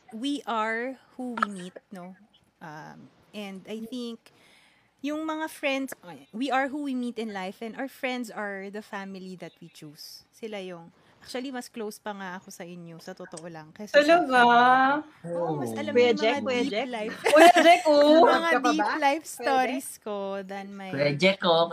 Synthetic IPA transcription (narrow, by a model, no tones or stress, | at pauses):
wiʔɐɹhuwimit̪̚no | ʔam | ʔɛnd̪ajθiŋk | jʊŋmɐŋafɹɛnd̪swiʔɐɹɦuwimit̪ɪ̃nlajfʔɛ̃nd̪ɐwfɹɛ̃nd̪sɐɹðɐfamɪlid̪ɐt̪̚wit͡ʃusː | ɪlajʊŋ | ʔak̚t͡ʃuɐlimɐsklowspɐŋaʔɐko̞sɐʔɪnjo̞sɐt̪ot̪oʔolɐŋkɐʊloɡa | oobɐsɐlɐmjɐd͡ʒmɛaɐid͡ʒɛlajfʊjɐd͡ʒɛkomɐŋadk̪iplajfst̪oɾisko̞d̪ɐnmɐjɛd͡ʒɛko